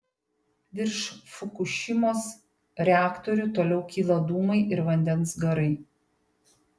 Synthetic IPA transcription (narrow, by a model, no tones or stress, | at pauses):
ʋ̪ʲɪɾʃfʊkʊʃʲɪmoːs | ɾʲɛæːkt̪ɔɾʲʊt̪oːlʲɛʊkʲiːlˠɐd̪uːmɐɪʔɪɾʋɐnʲd̪ʲɛnsɡɐɾɐɪ